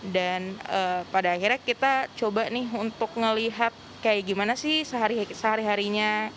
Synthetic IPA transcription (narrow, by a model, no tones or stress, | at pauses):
danəpadaːxirɲakit̪at͡ʃobanɪɦunt̪ʊk̚ŋəliɦat̪̚kajaɡimanasɪhsəɦaɾisəɦaɾiɦaɾiɲa